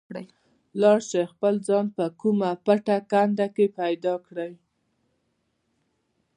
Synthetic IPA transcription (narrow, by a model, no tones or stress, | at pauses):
ɽə | lɑɽʃexpəld͡zɑnpəkumapaʈakand̪akepajd̪ɑkɽəj